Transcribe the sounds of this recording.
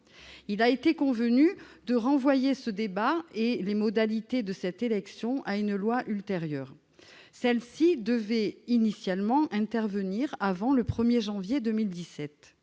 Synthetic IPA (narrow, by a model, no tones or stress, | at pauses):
ilaet̪ekɔ̃vənyd̪əʁɑ̃vwajesəd̪ebaelemɔd̪alit̪ed̪əsɛt̪elɛksjɔ̃ʔaynlwaʔylt̪eʁjœːʁ | sɛlsid̪əvɛinisjalmɑ̃ʔɛ̃t̪ɛʁvəniʁavɑ̃ləpχəmjeʒɑ̃vjed̪əmild̪isɛt̪